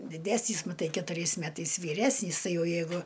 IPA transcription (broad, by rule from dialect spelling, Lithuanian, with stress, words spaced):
dʲɪˈdʲæːsʲnʲiːs mɐˈtɐɪ kʲɛtʊˈrʲɛɪs ˈmʲæːtɐɪs ʋʲiːˈrʲæːsʲnʲiːs ˈtɐɪ ˈjɛʊ jɛɪˈɡʊ